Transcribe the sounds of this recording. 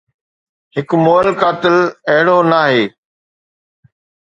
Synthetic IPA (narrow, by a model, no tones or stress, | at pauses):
hɪkmoːlkaːt̪ɪlɐɦɪɽoːnaːɦeː